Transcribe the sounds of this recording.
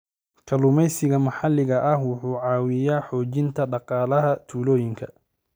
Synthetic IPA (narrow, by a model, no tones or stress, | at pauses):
kʰɐlʊmɛjsɪɣɐmɐħɑlɪɣɐʔɐhwʊħuːʕɑːwɪjaːħɔːt͡ʃɪnt̪ʰɐɖɑqɑːlɐɦɐt̪ʰuːlɔːjɪŋkʰɐ